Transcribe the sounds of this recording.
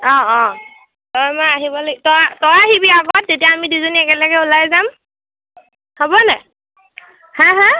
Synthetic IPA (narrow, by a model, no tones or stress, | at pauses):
ɔ̃ɔ̃ | tɔjmɔjaɦibɔloɡɛtɔatɔɹaɦibiaɡɔt̚ːetijaːmidizoniɛkɛlaɡɛulajzam | hobɔnɛ | hãɦã